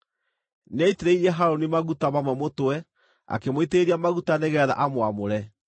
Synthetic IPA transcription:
neiteɾeiɾiɛɦaɾonimaɣutamamwɛmotwɛ | a̰kemoiteɾiamaɣutaneɣɛːða̰ʔamwamoɾɛ

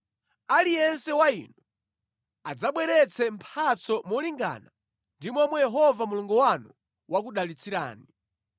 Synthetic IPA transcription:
alijɛnsɛwaḭnɔ | ad͡zaɓwɛɾɛt͡sʰɛm̩pʰat͡sɔmɔliŋɡa̰na | ndimɔmɔjɛɦɔvamuluŋɡuwanu | wak̬uɗalit͡siɾa̰ːni

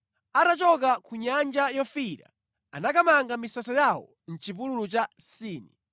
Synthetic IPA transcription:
atat͡ʃɔk̬akʰuɲand͡ʒajɔfiɾa̰ | anakamaŋɡamisasɔjawɔ̰ | n̩t͡ʃipululut͡ʃasiːni

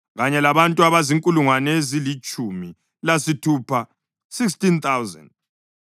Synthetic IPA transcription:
ɣaɲɛlaβantʼuaβaziŋkʼuluŋwanezilit͡ʃʼumi | lasitʰupʰa | siks̬tint̪ʰawzɛ̰nd

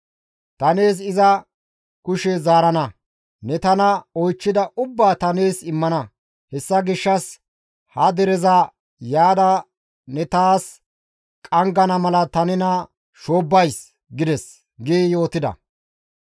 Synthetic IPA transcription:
t̪ɐneːs̬ɪzɐ | kʊʃɛzaːɾɐnɐ | nɛt̪ɐnɐɔjt͡ʃːɪd̪ɐʔʊbːaːt̪ɐneːsɪmːɐnɐ | hɛsːɐɡɪʃːɐs | hɐd̪ɛɾɛzɐ | jaːd̪ɐ | nɛt̪aːs | kʼɐŋɡɐnɐmɐlɐt̪ɐnɪnɐ | ʃo̞ːbːɐjs | ɡɪd̪ɛs | ɡeːjo̞ːt̪ɪd̪ɐ̰

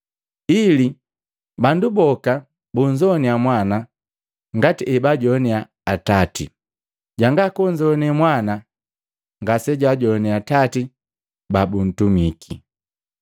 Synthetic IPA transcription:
ili | bandubɔka | buɲd͡ʒɔniamwana | ŋɡatiʔɛbaɟɔnɛaː | tatḭ | ɟaŋɡakuɲd͡ʒɔnɛmwana | ŋɡasɛɟwaɟɔniatati | babun̩tumiki

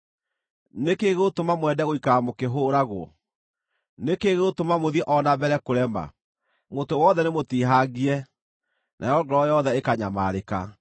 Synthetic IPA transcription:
nekeɣeotomamwɛdɛɣoikaːmokeɦoːɾaɣwɔ̰ | nekeɣeotomamoðiɛʔɔnabɛɾɛkoɾɛma̰ | motowɔðɛnemotiɦaɣiɛ | nʔa̰jɔɡɛɾɔjɔðɛekaɲamaɾeka̰

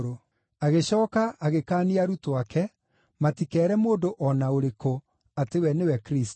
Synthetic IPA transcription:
ɾo | aɣeɕɔːkaaɣekaːniaɾutoakɛ | matikɛːɾɛmoːndoʔɔnaoɾeko | atewɛnewɛkɾist

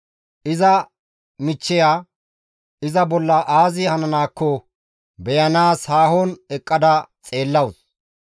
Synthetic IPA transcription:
ʔɪzɐ | mɪt͡ʃːɛjaː | ɪzɐbɔlːɐʔaːzɪhɐnɐnaːkːɔ | bɛjɐnaːshaːhɔnɛkʼːɐd̪ɐt͡sʼe̞ːlːɐws

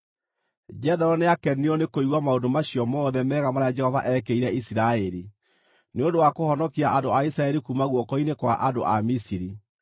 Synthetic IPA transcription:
d͡ʒɛðɔɾɔneakɛniɔnekoiɣwamaodomaɕjɔmɔːðɛmɛːɣamaɾaad͡ʒɛhɔva̰ʔɛkeiɾɛisiɾaeɾi | neondowakohɔnɔkiaʔandoaisɾaɛɾikumaɣwɔkɔinekwaʔando̰ʔa̰misiɾi

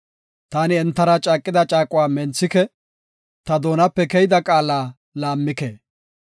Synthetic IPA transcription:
t̪aːnɪɛnt̪ːɐɾɐt͡ʃʼaːkʼːɪd̪ɐt͡ʃʼaːkʼʊwaːmɛnt͡sːɪkɛ | t̪ɐd̪o̞ːnɐpːɛkɛjɪd̪ɐkʼaːlaː | laːmːɪkeː

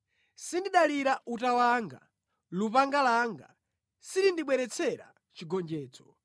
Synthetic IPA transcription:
sindiɗaliɾaʔutawaŋɡa̰ | lupaŋɡalaːŋɡa̰ | siɾindiɓwɛɾɛt͡sʰɛɾa̰ | t͡ʃiɡɔnd͡ʒɛːt͡sɔ̥

